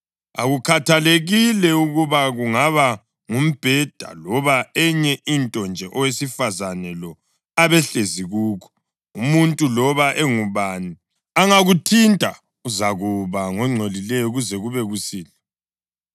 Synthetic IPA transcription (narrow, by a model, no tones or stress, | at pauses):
aɣukʰatʰaleɣilɛuɣuβaɣuŋaβa | ŋum̩b̥ʱɛd̥ʱa̰lɔβaɛɲɛʔintʼɔnd͡ʒʱɛʔɔwesifazanɛlɔ | aβɛɬeziɣuːkʰɔ̥ | umuntʼulɔβaʔɛŋuβani | aŋaɣutʰintʼa̰ | uzaɣuβaŋɔŋ͡ǀʱolilɛjɔɣuzɛɣuβɛɣusiːlɛ